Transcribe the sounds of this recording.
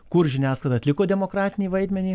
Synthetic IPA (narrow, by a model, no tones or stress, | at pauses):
kʊɾʒʲɪnʲæːsklʲɐd̪ɐt̪ʲlʲɪkoːd̪ʲɛmoːkɾɑːt̪ʲɪnʲiːʋɐɪd̪ʲmʲɛnʲiː